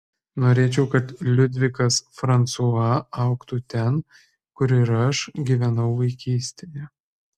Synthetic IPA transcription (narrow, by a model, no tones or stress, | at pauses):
noːɾʲeːt͡ʃʲɛʊkɐt̪lʲʊd̪ʲʋʲɪkɐsfɾɐnt̪suɑɐʊkt̪uːt̪ʲɛn | kʊɾʲɪɾɐʃɡʲiːʋʲɛnɐʊʋɐɪkʲiːsʲt̪ʲeːjɛ